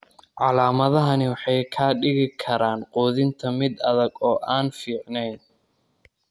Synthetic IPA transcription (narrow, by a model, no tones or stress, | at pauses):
ʕɑlaːmɐðɐɦɐnɪwɑħɑjkʰaːɖɪɣɪkʰɐɾaːnqɔːðɪnt̪ʰɐmɪd̪ɐðɐɡɔːʔaːnfiːʕnɛjn